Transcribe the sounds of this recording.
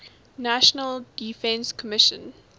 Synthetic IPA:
naʃənəldifɛ̃nskʰɔmɪʃə̰̃n

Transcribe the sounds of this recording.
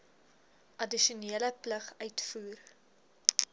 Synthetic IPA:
ʔɐdiʃuniːələpləχœɥtfuːr

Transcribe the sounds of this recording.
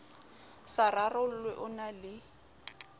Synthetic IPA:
sararʊl̩lwɛʔʊnalɪ

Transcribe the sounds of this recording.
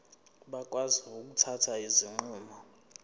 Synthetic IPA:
ɓak̬ʼwaziok̬ʼutʰatʰaiziŋ͡ǃuːmɔ

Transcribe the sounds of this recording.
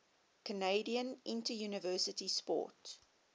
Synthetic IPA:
kʰəneɪdiə̃nʔɪ̃ntəjuːnəvɜːˑsətispɔ̰ːˑt

